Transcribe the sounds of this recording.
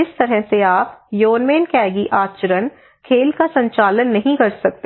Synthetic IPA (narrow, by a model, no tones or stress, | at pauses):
ɪst̪ɐɾɦɛseaːpjoːnmeːnkɛːɡiʔaːt͡ʃɾən | kʰeːlkasɐ̃ɲt͡ʃaːlənːɐɦĩkɐɾsɐk̚t̪e